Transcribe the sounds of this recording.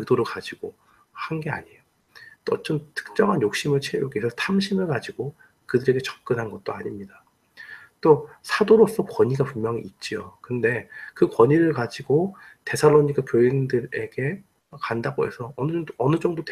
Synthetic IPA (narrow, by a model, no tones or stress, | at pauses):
ɯdoɾɯɭkad͡ʑiɡo | hanɡe̞a̰ɲio | t͈ot͡ɕ͈omtʰɯ̥k̚t͡ɕ͈ʌŋɦanjok̚ɕ͈imɯɭt͡ɕʰejuɡeesʰʌsʰamɕʰimɯɭkad͡ʑiɡ̥o | kɯdɯɾe̞ɡe̞t͡ɕʌ̥p̚k͈ɯnɦanɡʌt̚t͈oaɲimɲida | t͈osʰadoɾos͈ʌkwʌɲiɡapunmjʌŋiːt̚t͡ɕ͈ijo̰kɯnde̞kɯkwʌɲiɾɯɭkad͡ʑiɡote̞sʰaɭːoɲik͈apjoindɯɾe̞ɡe̞ | kandaɡoe̞̰sʰʌːnɯʌnɯd͡ʑʌŋdot